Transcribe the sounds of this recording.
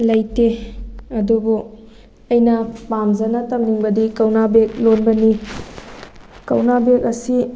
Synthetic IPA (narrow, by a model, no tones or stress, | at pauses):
lɐjteɐdubu | ɐjnɐpamzɐnɐtɐmniŋbɐdikɐwnabek̚lonbɐni | kɐwnabek̚ɐsi